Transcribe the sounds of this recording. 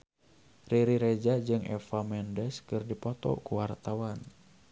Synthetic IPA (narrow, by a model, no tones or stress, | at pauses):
riɾiɾɛd͡ʒad͡ʒɨŋʔɛ̰famɛndɛskɨrdipɔt̪ɔ̰kuwart̪awan